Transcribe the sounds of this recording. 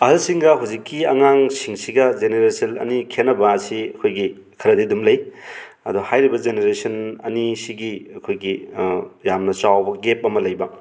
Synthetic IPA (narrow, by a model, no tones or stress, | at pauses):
ɐɦɐlsiŋɡɐɦuzikːiɐŋaŋsiŋsiɡɐd͡ʒeneɾesɐnɐ̰nikʰenːɐbɐːsiɐkʰojɡi | kʰɐɾɐdidumlɐj | ɐduhajɾibɐd͡ʒeneɾesɐnɐnisiɡiɐkʰojɡijamnɐt͡ʃawbɐɡep̚ɐmɐlɐjbɐ